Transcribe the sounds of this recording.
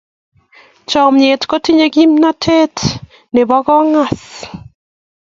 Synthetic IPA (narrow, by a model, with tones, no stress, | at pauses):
t͡ʃɔ˨mɲe˨tko˦ti˦ɲe˦ɡi˦mna˦tʰe˦t | ne˨βɔ˦ɣɔ˦ŋa˦˨s